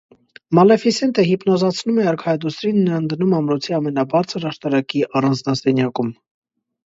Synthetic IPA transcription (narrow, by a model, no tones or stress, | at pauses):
mɑlɛfisɛnt̪ʰəɦipnɔzɑt͡sʰnumɛɑɾkʰɑɛd̪usɾinːəɑnd̪ənumɑmɾɔt͡sʰiɑmɛnɑbɑɾt͡sʰəɾɑʃt̪ɑɾɑkiʔɑrɑnd͡znɑsɛnjɑkum